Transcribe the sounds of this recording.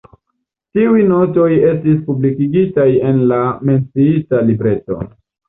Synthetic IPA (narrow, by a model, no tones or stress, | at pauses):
tiujno̞to̞je̞stispublikiɡitaje̞nlame̞nt͡siitalibɾe̞to̞̰